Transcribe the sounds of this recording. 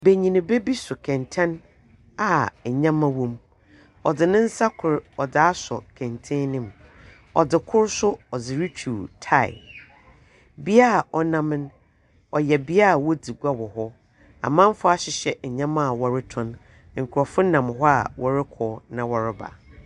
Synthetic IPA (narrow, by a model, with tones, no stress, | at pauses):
be˨ɲĩ˨nĩ˨be˦bi˦sʊ˨kʰɛ̃˨ntʰɛ̃˦n | a˨ɲã˦mã˦wɔ̃˦m | ɔ˨dɪ˨nɪ̃˦n̩˦sa˦kʰʊ˨ɾɔ˨da˨a˦sɔ̰˨kʰɛ̃˨ntʰɛ̃˦nɪ̃˨m | ɔ˨dɪ˨kʰʊ˦ɾsʊ˦ɔ˨d͡zɪ˨ɾi˦t͡ɕʰuː˨tʰa˨ɪ̰˨ | bi˦a˦˨ɔ˨nã˦mɪ̃˦n | ɔ˨jɛ˨bi˦a˦˨wɔ˦di˨ɡa˦wɔ˨hɔ˦ | a̰˨mã˦m˦fʊ˦a˦ɕɪ˨ɕɛ˨ɲã˦mã˦˨wɔ˨ɾɪ˦tʰʊ̃˨n | ŋ̩˨kʰʊ˨ɾɔ˨fʊ̃˦nã˨mɦɔ˦a̰˨wɔ˨ɾɪ˦kʰɔː˨˦nã˨wɔ˨ɾɪ˦ba̰˨